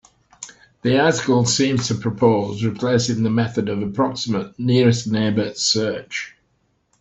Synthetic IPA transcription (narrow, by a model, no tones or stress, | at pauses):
ðiɑˑtɪkəlˠsĩːmz̥tʰəpʰɹ̥əpʰoʊzɹɪpʰl̥eɪsɪ̃ŋðəmɛθədəvəpʰɹ̥ɒksɪməʔnɪəɹɪsneɪbəsɜˑt͡ʃ